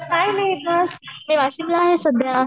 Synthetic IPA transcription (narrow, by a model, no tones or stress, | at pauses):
naɦjnaɦibʱasmiʋaɕimlaːɦesəd̪ja